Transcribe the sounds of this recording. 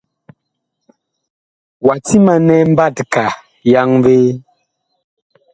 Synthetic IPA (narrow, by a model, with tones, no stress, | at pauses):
wa˨ti˦ma˨nɛ˦m̩˦ba˦˨tka˨ | ja˦ŋve˦